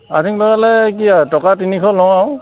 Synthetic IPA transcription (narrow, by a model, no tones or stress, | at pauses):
atiŋlɔɡalɛkiatɔkatinikʰɔlɔwaw